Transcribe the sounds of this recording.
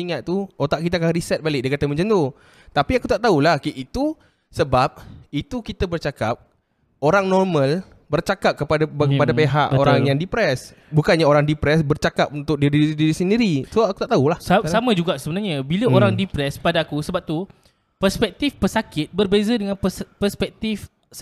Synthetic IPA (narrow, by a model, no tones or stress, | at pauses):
iŋat̪̚t̪uot̪aʔkit̪aakaŋɾisɛt̪̚balɪk̚diəkat̪aməɲd͡ʒənt̪o | t̪apiakut̪aʔt̪aulahkiit̪u | səbap̚it̪ukit̪abərt͡ʃakap̚ | oɾaŋnɔrmə̃l | bərt͡ʃakap̚kəpadakəpadapeɦaʔoɾaŋjaŋdipɾɛs | bukanɲaoɾaŋdipɾɛsbərt͡ʃakap̚unt̪ʊk̚didiidiɾisəndiɾisoaku̥t̪aʔt̪aulahsasamãd͡ʒuɡaʔsəbənarɲabiləoɾaŋdipɾɛspadaːkusəbap̚t̪u | pərspɛk̚t̪ifpəsakɪt̪̚bərbezədəŋãnpəpərspɛk̚t̪if